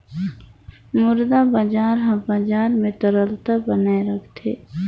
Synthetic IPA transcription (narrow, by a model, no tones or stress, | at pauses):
mʊɾd̪abad͡ʒaːɾɦãbaːd͡ʒaːɾmẽt̪əɾəlt̪abənaːeɾəkʰt̪ʰḛː